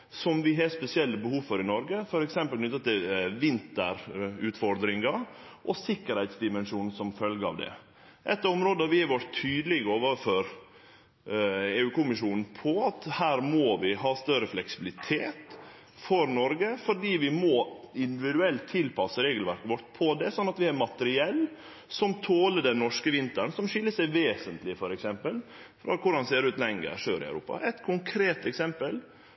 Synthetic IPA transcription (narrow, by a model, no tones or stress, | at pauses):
sɔmʋɪɦɛspɛsɪɛlːəbəhuːʋfɔɾɪnɔɾɡəfɔɾɛksɛmpəlnʏt̪ːɑt̪ɪlʋɪnt̪əɾʉːt̪fɔɾd̪ɾɪŋɑ | ʔɔsɪkːəɾhæɪt̪sd̪ɪmɛnʂuːnn̩sɔmfœlɡəɑ̰ʋd̪ɛ̰ | ʔɛt̪ːɔmɾoːd̪əɑʋɪɛʋɔʈt̪ʰyːd̪əlɪɡəoːʋəføɾ | eːʉːkʊmɪʂuːnn̩pʰɔɑt̪hæːɾmoʋɪɦɑːst̪œɾəflɛksɪbɪlɪt̪ʰeːt̪ | fɔɾnɔɾɡəfɔɖiːʋɪmɔɪnd̪ɪʋɪd̪ʉɛlt̪ʰːɪlpʰɑsəɾeːɡəlʋæɾkəʋɔʈːpʰɔd̪ɛsɔnːɑt̪ʋɪhɑɾmɑt̪əɾɪɛlː | sɔmt̪ʰoːləɖɛnnːɔʂkəʋɪnt̪əɳsɔmʂɪlːəsæɪʋeːsənt̪lɪfɔɾɛksɛmpəlfɾɑ̰kʰʊɾhɑnseːɾʉːt̪lɛŋːə̰ɾʂøːɾɪ̰ɑ̰ʉɾṵːpɑ̰ʔɛt̪kʰʊŋkʰɾeːt̪ɛksɛmpəl